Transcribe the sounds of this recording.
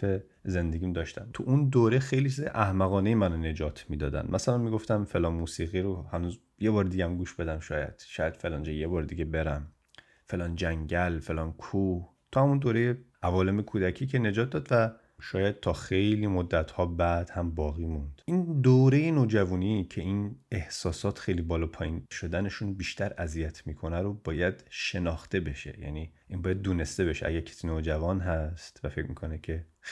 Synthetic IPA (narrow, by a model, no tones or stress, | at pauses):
e | ze̞nd̪e̞ɡʲiːmd̪ɒʃt̪ʰæ̰nt̪ʰuʔund̪oːɾexejlit͡ʃʰizḛʔæhmæɣɒːnejemænone̞d͡ʒɒːt̪ʰmiːd̪ɒːd̪æ̰nd̪mæsælænmiɡo̞ft̪æmfe̞lɒːnmuːsiːɣiɾohænuːz | jebɒːɾd̪iɟæmɡuːʃb̥e̞d̪æmʃɒːjæ̰d̪̥ʃɒːjæd̪̥fe̞lɒːnd͡ʒɒjebɒːɾd̪iɡebe̞ɾæm | fe̞lɒːnd͡ʒæŋɟælfe̞lɒːnkʰuːh | t̪ʰuːhæmund̪oːɾejeʔævɒːlemekʰuːd̪æcʰiːcʰene̞d͡ʒɒːt̪̚d̪ɒːd̪væ | ʃɒːjæd̪̥̚t̪ʰɒːxejliːmod̪ːæt̪hɒːbæd̪̥hæmbɒːɣiːmund̪̥ʔind̪oːɾe̞jenoːd͡ʒævuːnicʰe̞ine̞hsɒːsɒːt̪xejliːbɒːlɒːpʰɒːjinʃo̞d̪æne̞ʃunbiːʃt̪ʰæɾæzijæt̪ʰmiːkʰo̞næɾobɒːjæd̪ʃe̞nɒːxt̪e̞be̞ʃe̞̰jæ̰niːʔinbɒːjæd̪ːuːne̞st̪e̞be̞ʃeʔæ̰ɟæɾkʰe̥sinoːd͡ʒævɒːnɦæst̪væfecʰmiːkʰo̞necʲʰe̞